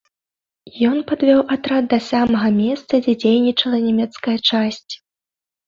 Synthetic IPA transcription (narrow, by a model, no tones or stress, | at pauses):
jɔnpad̪vʲɔwʔat̪ɾad̪̚d̪ɐsʲamɐɣɐmʲɛst̪sɐd͡zʲɛd͡zʲejnʲit͡ʂɐlˠɐnʲɛmʲɛt̪skɐjɐt͡ʂasʲt͡sʲ